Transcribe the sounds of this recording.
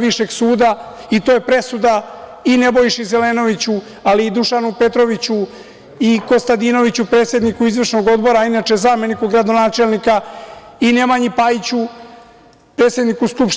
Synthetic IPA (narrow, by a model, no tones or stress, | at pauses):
ʋiʃe̞ɡsuːd̪a | it̪o̞ːje̞pɾe̞sud̪aine̞bo̞jiʃize̞le̞ːno̞ʋit͡ɕu | aliːd̪uʃanupe̞t̪ɾo̞ʋit͡ɕu | iko̞st̪ad̪ino̞ʋit͡ɕupɾe̞t̪sjed̪nikuizʋr̩ʃno̞ɡo̞d̪bo̞ɾainat͡ʃe̞zaːme̞nikoɡɾad̪o̞naːt͡ʃe̞lnika | ine̞maɲipait͡ɕu | pɾe̞ːt̪sjenikusklup